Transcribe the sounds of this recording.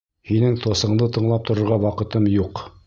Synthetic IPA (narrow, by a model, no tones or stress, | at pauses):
hinɘŋt̪osɤ̆ɴd̪ɤt̪ɤ̆ɴlˠɑp̚t̪ŏɾŏɾʁɑwɑqɤ̆t̪ɤmjuq